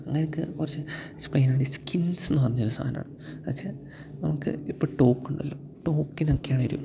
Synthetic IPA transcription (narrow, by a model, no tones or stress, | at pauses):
ɐŋːɐnekːɨ̰urɐt͡ɕːɨ | splejːnaːɳɖiskinsenːɨpɐrɐɲːoɾusʰa̰ːhɐna̰ːɳɨɐksa | nɐmukːɨ̰ipːoːʈo̞ːkːuɳɖɐlːo̞ː | ʈo̞ːkːinokːejaːɳɨʋɐɾṵ